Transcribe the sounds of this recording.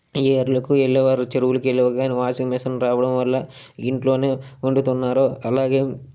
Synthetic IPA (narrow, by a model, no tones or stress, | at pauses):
eːɾulɐkuelːɛʋaːɾut͡ʃeɾuwulukelːiʋɐɡaːniʋaːsiŋmɛsɐnɾaːʋɐɽɐmʋɐlːɐ | iɳʈlo̞ːne̞ːuɳɖut̪unːaːɾoːɐlaːɡe̞ː